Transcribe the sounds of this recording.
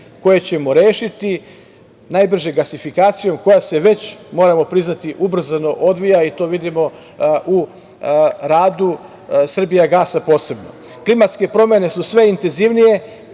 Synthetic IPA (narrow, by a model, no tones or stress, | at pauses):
ko̞je̞t͡ɕe̞mo̞ɾeːʃit̪i | najbr̩ʒeɡasifikaːt̪sijo̞mko̞jase̞ʋe̞t͡ɕmo̞ːɾamo̞pɾiznat̪iʔubr̩zano̞ʔo̞d̪ʋijait̪o̞ʋid̪imo̞ | ʔu | ɾaːd̪u | sr̩bijaɡasapo̞ːse̞bno̞̰ | klimat̪ske̞pɾo̞mje̞ne̞susʋe̞int̪e̞nziʋnije̞